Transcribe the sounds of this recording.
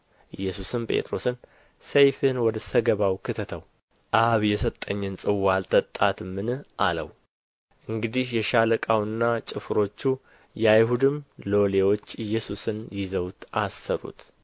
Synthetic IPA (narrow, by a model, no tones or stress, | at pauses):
ʔɨjːɛsusɨmpʼḛt̪ʼɾo̞sɨn | səjfɨnwɔd̪əsəɡəβawkʰɨt̪ʰət̪ʰəw | ʔaβjɛsət̪ʼːəɲːɨnsʼɨwːalt̪ʰət̪ʼːat̪mɨnɨʔalə̰w | ʔɨŋɡɨd̪ihjɛʃaləkʼawɨnːat͡ʃʼɪfɨɾo̞t͡ʃːu | jɛajɦud̪ɨmlo̞lewo̞t͡ʃːɨjːɛsusɨnjɪzəwt̪ʔasːəɾṵt̪